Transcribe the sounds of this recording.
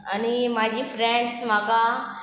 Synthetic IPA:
ɐnimãːd͡ʑiːfɾẽɳɖsmãːka

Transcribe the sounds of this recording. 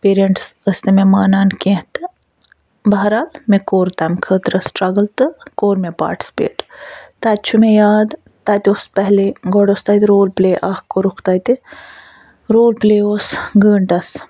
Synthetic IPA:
peːɾieɳʈsəst̪ememaːnaːnkẽɦt̪ɨ | bɐɦɐɾaːlmẽkoːɾt̪ɐmkʰəːt̪ɾəsʈɾɐɡəlt̪ɨkoːɾmẽpa̰ːɾʈi̥spḛːʈt̪aːt̪̚ʲt͡ʃʰumẽjaːd̪ | t̪aːt̪ʲospɛɦleɡɔɽost̪aːt̪iɾoːlpleːʔaːhkoɾukʰt̪aːt̪i | ɾoːlpleːoːsɡəːɳʈɐs

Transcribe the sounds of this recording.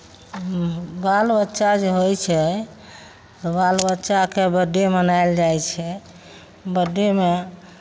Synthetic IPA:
balbətːʃad͡ʒeɦojt͡ʃʰɛ | t̪ɔbalbətːʃakebəɖemənajld͡ʒajt͡ʃʰɛ | bəɖeme

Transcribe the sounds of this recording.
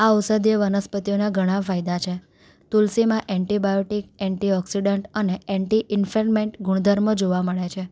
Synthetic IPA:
aɔsəd̪jəʋənəspət̪ijonaɡʱəɽ̃ãfaid̪at͡ʃʰe | t̪ulsimãʔɛ̃ɳʈibajoʈikɛɳʈiɔksiɖəɳʈəneɛɳʈiʔɪnfelmeɳʈɡʱuɳ̃d̪ʱəɾməd͡ʒoʋaməɭet͡ʃʰe

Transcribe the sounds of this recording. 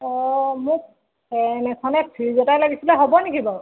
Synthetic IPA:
ɔmʊk̚ | ɛnɛkʰɔnɛpʰizɔtajlaɡisilɛɦobɔnikibɔ

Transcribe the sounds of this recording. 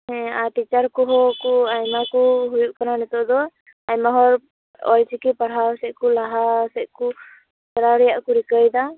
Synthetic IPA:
hɛ̃aʈit͡ʃaɾkɔɦɔkɔajmakuɦujuʔkananɛt̪ɔd̪ɔ | ajmaɦɔɾ | ɔjsikipaɽɦawsɛʔ̚kulaɦasɛʔ̚ku | saɾaɾɛjaʔkuɾikəjd̪a

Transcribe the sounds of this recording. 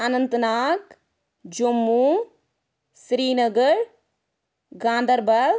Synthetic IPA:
anɐnt̪naːk | d͡ʒumːu | sɾiːnɐɡəɾ | ɡãːnd̪ʱɐɾbɐ

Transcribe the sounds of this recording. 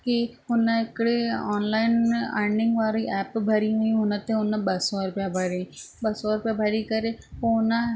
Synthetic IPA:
kiʊnəɪkɽeɔːnlaːɪna̰ːɪɳɖɪ̃ŋɡʋaːɾiʔɛːpbʱɐɾiɦuĩɦʊnət̪eʊnəɓɐsɔɾʊpjabʱɐɾĩɓɐsɔɾʊpjabʱɐɾikɐɾepoʊnə

